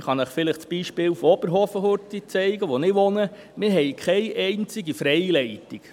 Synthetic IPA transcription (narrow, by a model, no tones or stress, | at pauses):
χɑnɛχfɪləχt͡sb̥iːʃpɪːlfɔb̥əɾɦɔfəhʊɾtit͡sɛɪɡəʋɔnɪʋɔnə | mɪɾɦɛɪjkʰχɛjʔɛɪnt͡sɪɡifɾɛjlɛɪt̪ik